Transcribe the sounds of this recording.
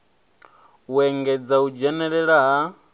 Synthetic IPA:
uɛŋɡɛd͡zaud͡ʒɛnɛɺɛɺaɦa

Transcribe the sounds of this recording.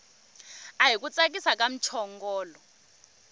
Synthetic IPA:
aɦik̬ut͡sʼak̬ʼisak̬ʼam̩t͡ʃʰɔŋɡɔːlɔ

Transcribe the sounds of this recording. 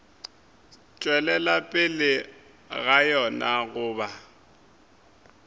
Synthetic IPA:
t͡ʃʼwɛlɛlapʼɪlɪ | ɣajɔnaɣʊːba

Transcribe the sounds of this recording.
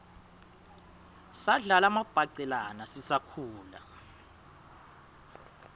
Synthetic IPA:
saɮalamab̥ʱaǀɛlanasisakʰuːla̰

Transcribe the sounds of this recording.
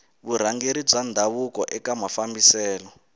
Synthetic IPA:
βuɾ̤aŋɡeɾib͡ʐand̪ʱaβukɔʔɛkamafambisɛːlɔ

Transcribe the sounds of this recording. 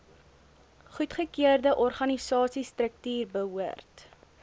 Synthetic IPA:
χutχəkiərdəʔɔrχɐnisɑːsistrək̚tyːrbəɦuərt

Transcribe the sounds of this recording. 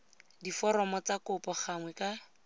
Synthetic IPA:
difɔɾɔmɔt͡sakʊpɔχaŋwɛka

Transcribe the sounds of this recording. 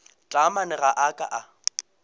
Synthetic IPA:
t͡ɬʼamanɪɣaʔakʼa̰ʔa

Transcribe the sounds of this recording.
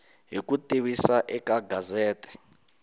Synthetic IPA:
ɦikutʼiβisaʔɛkaɡʱazɛːtʼɛ̥

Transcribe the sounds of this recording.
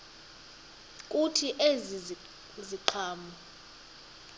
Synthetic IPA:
kʼutʰiʔezi | ziǃʰaːmɔ

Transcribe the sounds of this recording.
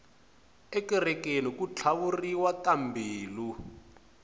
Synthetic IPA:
ekirɛkenikut͡ɬʰaβuriwakambʱiːlu

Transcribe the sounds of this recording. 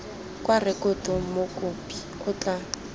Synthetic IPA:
kʼwarɪkʊtʊmokʼʊpʼi̥kʊt͡ɬʼa

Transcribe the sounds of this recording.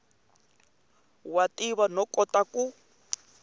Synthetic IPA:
watiβanɔkʼɔtaku

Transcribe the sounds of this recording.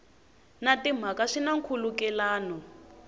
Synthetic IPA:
natim̤akaʂinaŋ̩kʰulukɛlaːnɔ

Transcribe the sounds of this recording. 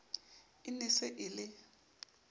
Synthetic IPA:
ɪnɪsɪʔɪlɪ

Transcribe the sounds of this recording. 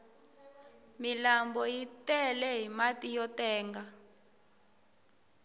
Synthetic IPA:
milambɔjitɛlɛɦimatijɔtɛːŋɡa

